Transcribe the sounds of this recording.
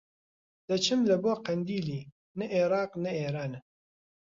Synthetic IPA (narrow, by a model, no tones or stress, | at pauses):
d̪̥ɐt͡ʃʰɨmlɐboːqɐnd̪iːliː | nɐʔeɾɑːqnɐeːɾaːn